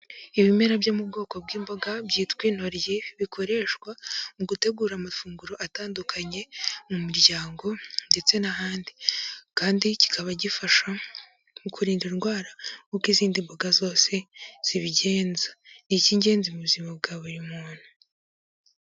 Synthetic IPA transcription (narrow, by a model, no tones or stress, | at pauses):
iβime̞ɾabjomub̚ɡo̞ːko̞b̚ɡiːmboɡabɟiːtwiːn̥ho̞ɾjeβikʰo̞ɾe̞ʃkwamuɡute̞ɡuːɾamafuːŋɡuɾo̞ʔataːndukʰaɲe̞mumuɾɟaːŋɡo̞nde̞t͡se̞naɦaːndikaːndici̥kʰaβaɟifaʃa | mukʰuɾiːndinɡwaːɾakukiziːndimboɡazo̞ːse̞z̥iβiɟe̞ːnzaniciːɲɟe̞ːnzimuβuzimab̚ɡaːβuɾimuːn̥hu